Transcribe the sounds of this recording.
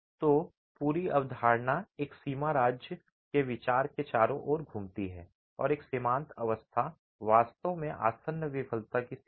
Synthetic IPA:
t̪oː | puːɾiɐʋd̪ʱaːɾnaeːksiːmaɾaːd͡ʒjə | keʋɪt͡ʃaːɾket͡ʃaːɾõʔɔːɾɡʱuːmt̪iɦɛ̰ː | ɔ̰ːɾeːksɪmãːnt̪ʰɐʋəst̪ʰa | ʋaːst̪əʋmẽʔa̰ːsənjəʋɪpʰəlt̪aki

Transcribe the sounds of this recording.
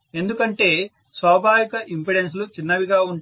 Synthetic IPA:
e̞nd̪ukɐɳʈe̞ː | sʋaːbʱaːʋikɐʔimpiɽens̬lut͡ʃinːɐʋiɡaːuɳ

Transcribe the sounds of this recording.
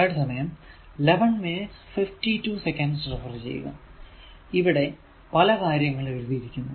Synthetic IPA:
jɽɐsɐmɐjɐm | leʋɐɳminiʈsfiftituːsekːɐnɖsrifɐrt͡ɕḛjːṵɣɐ̰ | iʋiɽe̞ | pɐlɐkaːɾjɐŋːɐɭoɾubijiɾikʲːunːu

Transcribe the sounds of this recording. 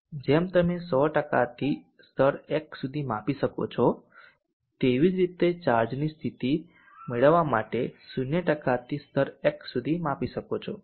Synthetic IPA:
d͡ʒemt̪əmesɔʈəka̰t̪ʰi | st̪ʰəɾeksud̪ʱimapiʃəko̰t͡ʃʰɔ | t̪eʋid͡ʒɾit̪et͡ʃaɾd͡ʒnist̪ʰit̪i | meɭəʋːamaʈesunjəʈəkat̪ʰist̪ʰəɾeksud̪ʱimapiʃəkot͡ʃʰo

